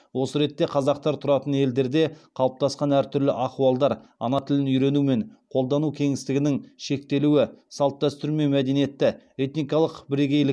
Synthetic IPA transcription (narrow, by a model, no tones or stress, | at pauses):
wo̞səɾe̞t̪ːe̞qʰɑzɑqt̪ɑɾt̪ʰʊɾɑt̪əne̞ld̪e̞ɾd̪e̞qʰɑlˠəp̚t̪ɑsqɑnæɾt̪ʰʏɾlɪʔɑquɑlˠd̪ɑɾɑ̰nɑt̪ʰɪlɪnʏjɾe̞nume̞ɴqʰo̞lˠd̪ɑnukʲʰe̞ŋɪst̪ɪɡʲɪnɪŋʃe̞k̚t̪e̞luwɪsɑlˠt̪̚d̪æst̪ʏɾme̞mæd̪e̞nije̞t̪ːɪet̪nijkɑlˠəqbɪɾiɡʲejlɪ